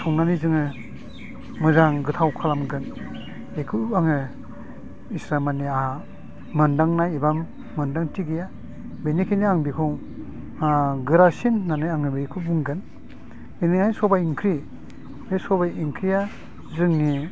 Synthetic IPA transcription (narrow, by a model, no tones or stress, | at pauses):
sʰɔŋnanizɯŋɯ | mɯzaŋɡɯtʰawkʰalamɡɯn | ekʰɯaŋɯ | isɾamania | mɯndaŋnajebamː | ɯndaŋtiɡija | benikʰeniaŋbikʰɔŋ | aɡɯɾasinːanɯjaŋɯbekʰɯbuŋɡɯn | beniajsɔbajiŋkʰɾi | besɔbajiŋkʰɾija | zɯŋni